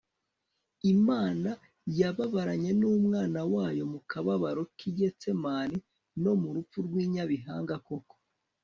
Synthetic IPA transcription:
imaːna | jaβaβaɾaɲe̞nuːmŋaːnawaːjo̞mukaβaβaɾo̞kiɟe̞t͡se̞maːni | no̞muɾup͡fuɾɡwiːɲaβiɦaːŋɡako̞ko̥

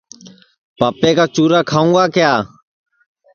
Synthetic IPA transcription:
paːpeːkaːt͡ʃuːɾaːkʰaːũːɡaːkɪjaː

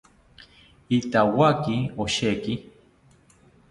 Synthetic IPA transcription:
it̪awakioʃeki

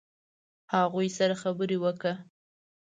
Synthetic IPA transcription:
haɣujsaɾaxabəɾewəkɽa

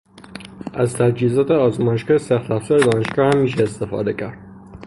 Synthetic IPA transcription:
ʔæzt̪ʰæd͡ʒiːzɒːt̪ʰeɒːzmɒːjeʃɡɒːhesæxt̪æfsɒːɾed̪ɒːne̞ʃɡɒːhæmːiːʃeːst̪e̞fɒ̰ːd̪e̞cʰæɾd̪̥̚

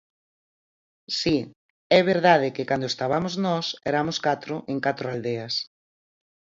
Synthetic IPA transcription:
si | ɛβeɾðað̞ɪkɪkand̪oest̪aβamʊznɔsɛɾamʊskat̪ɾʊʔeŋkat̪ɾʊald̪eɐs

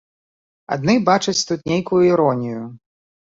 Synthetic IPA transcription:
a̰d̪nɨbat͡ʂɐt͡sʲt̪ut̪nʲejkujuiɾɔnʲiju

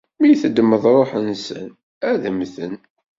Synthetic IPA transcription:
mijθəd̪ːməðˤɾˤoħənsə̰n | æðəmθən

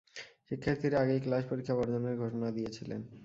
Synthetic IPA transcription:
ʃikʰːaɾt̪iɾaɡejklaʃpoɾikʰːabɔɾd͡ʑoneɾɡʱoʃonad̪ijet͡ɕʰilḛn

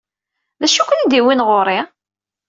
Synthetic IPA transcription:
ðæʃukʷənid̪iwinʁoɾˤi

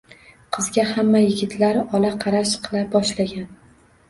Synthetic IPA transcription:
qʰɨzɡʲahamːajɪɡʲɪt̪ʰlaɾɒlaqʰɑɾaʃqʰɨlˠabɒʃlaɡʲan

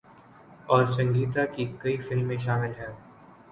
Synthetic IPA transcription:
ɔːɾsɐ̃ŋɡiːt̪̬akikɐifɪlmːẽʃaːmɪlɦɛː

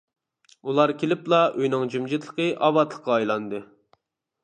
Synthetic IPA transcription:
ulˠɑɾkʲʰelɪplˠɑʔøjnɪŋd͡ʒymd͡ʒit̪ʰlˠə̥qəʔɑbɑt̪ʰlˠə̥qːɑːjlˠɑnd̪ɨ

